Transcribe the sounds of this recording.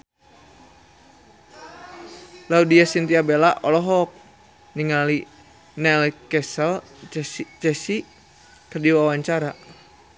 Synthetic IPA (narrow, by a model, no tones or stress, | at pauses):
laudiasint̪iabelaʔɔlɔɦɔk̚ | niŋali | nɛlkɛsəl | t͡ʃɛsi | k̪ərdiwawaɲt͡ʃaɾa